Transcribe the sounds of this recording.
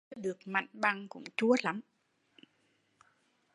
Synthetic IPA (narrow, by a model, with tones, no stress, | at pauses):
ɗɨ˨˩ək̚ma̰˧˨jŋ̟ɓa˧ŋkʊ̰˧˥ŋ͡mt͡ɕu˨˦əla˨˦m